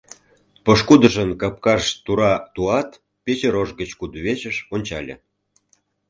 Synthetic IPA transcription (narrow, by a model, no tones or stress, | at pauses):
poʃkud̪əʒə̆nkɑp̚kɑʃt̪uɾɑt̪uɑt̪ | pʲet͡ɕeɾoʒɡət͡ɕkud̪βʲet͡ɕə̆ʃonʲt͡ɕɑ̰lʲḛ̆